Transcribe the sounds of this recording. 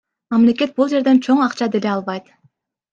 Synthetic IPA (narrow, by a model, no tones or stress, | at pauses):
mɑmlʲe̞ke̞t̪̚bulˠd͡ʒe̞ɾd̪e̞nt͡ʃʰo̞ɴɑqt͡ʃɑd̪e̞le̞ɑlˠβɑjt̪